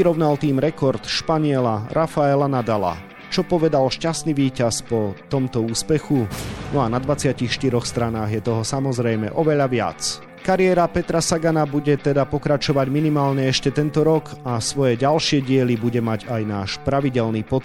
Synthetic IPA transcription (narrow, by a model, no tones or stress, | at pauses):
iɾɔʋnalt̪iːmɾɛkɔɾt̪ʃpaɲɪɛlaɾʔafaɛlanad̪ala̰ | t͡ʃɔpɔʋɛd̪alʃcast̪niʋiːcaspɔt̪ɔmt̪ɔuːspɛxunɔanad̪ʋat͡sɪacixʃt̪iɾɔxst̪ɾanaːɣjɛt̪ɔɦɔsamɔzɾɛjmɛ̰ʔɔʋɛʎaʋɪa̰t͡s | kaɾɪɛɾapɛt̪ɾasaɡanabuɟɛt̪ɛd̪apɔkɾat͡ʃɔʋaɟminimaːlɲɛɛʃcɛt̪ɛnt̪ɔɾɔkasʋɔjɛɟalʃɪɛɟɪɛlibuɟɛmaɟajnaːʃpɾaʋiɟɛlniːpɔ